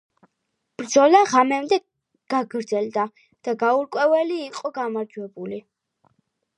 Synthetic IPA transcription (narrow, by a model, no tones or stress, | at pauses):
b̥ɾd̪zɔlaʁamɛmd̪ɛ | ɡ̥aɡɾd̪zɛld̪a | d̪̥aɡauɾkʼwɛvɛliːqʼɔɡamaɾd͡ʒwɛbuli